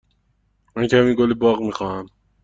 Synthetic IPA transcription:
mæncæmiɡolebɒːɣmixɒːhæm

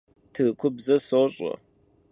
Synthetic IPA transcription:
tʰɨɣkʷʰʊbzɐsoɕʼɐ̰

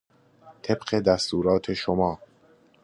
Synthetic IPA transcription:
t̪ʰe̞bɢe̞d̪æst̪uːɾɒːt̪ʰe̞ʃomɒː

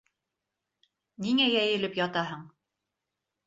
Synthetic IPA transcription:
niŋæjæjɘ̆lɘpjɑt̪ɑɦɤɴ

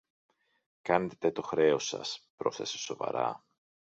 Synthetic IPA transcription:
kɐne̞t̪e̞̥t̪e̞t̪o̞xɾe̞o̞sɐ̰spɾo̞sθeseso̞vɐ̰ɾɐ̰

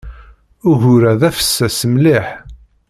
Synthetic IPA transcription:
ʊʝʊɾæðæfə̥sːæsəmliħ

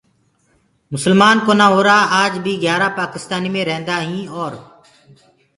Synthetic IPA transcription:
mʊsəlmaːnkoːnãːɦoːɾaːaːd͡ʒbʱiːɡjaːɾaːpaːkɪst̪aːniːmẽːɾɛɦnd̪aːɦĩːɔːɾ

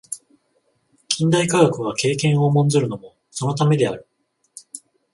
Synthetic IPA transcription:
kʲʰĩnd̪aikaɡakɯ̟β̞ake̞ːkẽ̞ɰ̃o̞mõ̞nzɨɾɯ̟no̞mo̞ | so̞no̞t̪ame̞d̪e̞aɾɯ̟

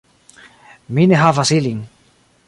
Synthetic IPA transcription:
mineɦavasiliŋ

